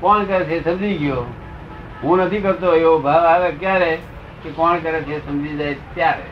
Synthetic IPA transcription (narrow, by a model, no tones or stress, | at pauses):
kɔːnkəɾɛt͡ʃʰeːsəmd͡ʒiːɡɪjoː | ɦũːnət̪ʰĩkəɾt̪oeobʱaːʋaːɡəkjaːɾɛ | kekɔːnkəɾɛt͡ʃʰesəmd͡ʒid͡ʒaːet̪jaːɾɛ